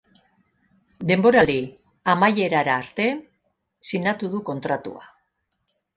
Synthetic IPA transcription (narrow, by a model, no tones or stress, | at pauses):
d̪e̞mbo̞ɾali | amaje̞ɾaɾaːɾt̪e̞ | sinat̪uðuko̞nt̪ɾat̪ṵa